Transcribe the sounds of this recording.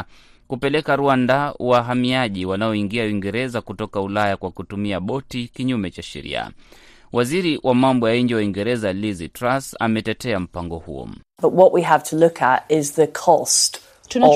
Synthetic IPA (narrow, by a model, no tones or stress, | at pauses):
kupɛlɛkaɾuandaṵwaɦamiaʄiwanaɔiŋɡiawiŋɡɛɾɛzakutɔkaulajakwakutumiaɓɔtikiɲumɛt͡ʃaʃɛ̰ɾḭa̰ | wʔaziɾiwʔamambɔjaiɲd͡ʒiwaiŋɡɛɾɛzalizitɾasa̰mɛtɛtɛam̩paŋɡɔhṵɔ̰ | b̥ʌʔwɔʔwiəv̥tʰəlʊkʰə̰tɪzðəkʰɔst | tn